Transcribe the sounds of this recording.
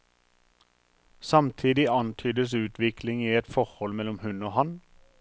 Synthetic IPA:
sɑmt̪ʰiːd̪ɪɑnt̪ʰyːd̪əsʉːt̪ʰʋɪkʰlɪŋiːɛt̪fɔʁhɔlmɛlɔmhʉnoːhɑn

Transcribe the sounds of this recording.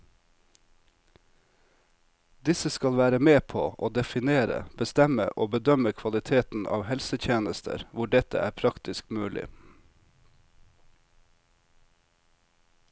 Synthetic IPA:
d̪ɪsəskɑlʋæːɾəmeːpʰo̰ːʔoːd̪ɛfɪneːɾə̰b̥əst̪ɛmə̰ʔoːbəd̪œməkʰʋɑlɪt̪ʰeːt̪n̩ʔɑ̰ːʋhɛlsət̪ʰjeːnəst̪ʰə̰ɾʋʊɖɛt̪ə̰ʔæ̰ːɾpʰɾɑkt̪ɪskmʉːlɪ̰

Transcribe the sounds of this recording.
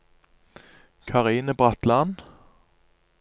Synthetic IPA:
kʰɑʁiːnəbʁɑt̪lɑn

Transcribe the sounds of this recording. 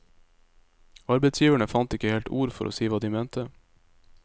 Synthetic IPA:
ɑɾbɛɪt̪sjiːʋəɳəfɑnt̪ɪkəheːlt̪uːɾfɔɾʔo̰ːsiːʋɑːd̪iːmeːnt̪ə

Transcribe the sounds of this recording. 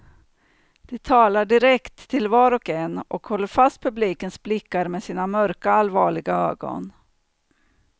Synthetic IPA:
d̪̥ɛt̪ʰɑːlaɖɪɾɛkt̪ʰːɪlvɑːɾɔkɛnːʔɔkhɔlːəɾfast̪̚pʰɵbliːkənsblɪkːaɾmesiːnamœɾkaalvɑːɭɪɡaø̰ːɡɔ̰n

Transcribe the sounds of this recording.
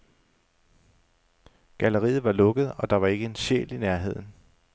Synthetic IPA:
ɡ̥æləʁḭːð̩ˠʋɑ̈lɔ̽ɡ̥əð̩ˠɒ̽d̥ɑ̈ʋɑ̈e̝ɡ̥əe̝nɕḛːlinæɐɦe̝ð̞̰ˠn̩

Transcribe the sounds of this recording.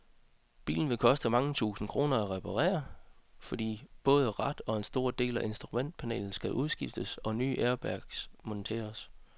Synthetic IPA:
b̥ḭːln̩ʋe̝kʰɒ̽sd̥əmɑ̈ŋət͡sʰṵːsn̩kʰʁo̝ːnɐæʁɛpʰɑ̈ʁḛːɐfɒ̽d̥ḭːb̥ɔ̽ːð̞ˠəʁɑd̥ɒ̽e̝nsd̥o̝ɐd̥e̝̰ːlæʔe̝nsd̥ʁumen̰d̥̚pʰænḛːln̩sɡ̥æʔuð̞ˠsɡ̥ifd̥əsɒ̽ny̰ːʔeɐb̥æɐɡ̥smɔ̽nt͡sʰḛːɐs

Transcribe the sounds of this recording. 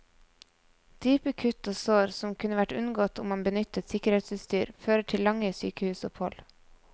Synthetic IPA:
d̪̥yːpəkʰʉt̪oːsoːɾsɔmkʰʉnəʋæʈʉnɡoːt̪ʊmɑbənʏt̪ət̪sɪkəɾheːt̪səst̪yːɾføːɾəʈʰɪllɑŋəsyːkəhʉːsɔphɔl

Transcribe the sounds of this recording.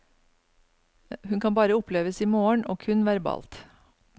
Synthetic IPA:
hʉnkʰɑnbɑːɾəʊpʰleːʋəsiːmoːəɳʔoːkʰʉnʋæɾbɑ̰ːlt̪

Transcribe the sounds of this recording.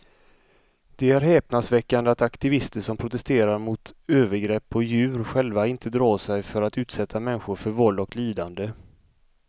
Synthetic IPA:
d̪̥ɛæɾɦɛːpnad̪svɛkːand̪əat̪akt̪ɪvɪst̪əʂɔmpʰɾʊt̪ɛst̪eːɾaɾmʊt̪øːvəɾɡɾɛpːɔjʉ̟ːɾɧɛlvaɪnt̪ʰəd̪ɾɑːsɛjfœɾat̪ʉ̟ːt̪sɛt̪ʰːamɛnɧʊɾfœɾvɔld̪ɔkliːd̪and̪ə

